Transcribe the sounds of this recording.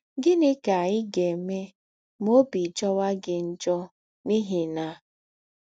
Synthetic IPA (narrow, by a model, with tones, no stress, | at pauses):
ɡɪ˦nɪ˦ka˨ɲɪ˦ɡe˨me˦ | m˦o˦bi˨d͡ʒɔ˦wa˦ɡɪ˨n̩˦d͡ʒɔ˦ | ni˦ɦi˨na˦